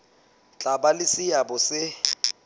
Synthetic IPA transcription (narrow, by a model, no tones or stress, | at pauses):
t͡ɬʼabalɪsɪjabʊsɪ